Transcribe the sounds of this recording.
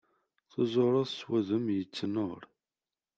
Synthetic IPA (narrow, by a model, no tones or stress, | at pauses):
θəzˤoɾˤɑðswæðəmjət͡sːnoɾ